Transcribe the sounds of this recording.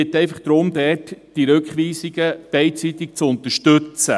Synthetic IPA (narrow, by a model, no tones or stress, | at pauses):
ɪt̪ːɛɪfəχd̥̪ɾʊmd̪ɛrtd̥iɾɵkχʋiːsiɡ̥əb̥ɛɪtt͡sit̪ɪk̚t͡sʊnt̪əʃtɵt͡sə̰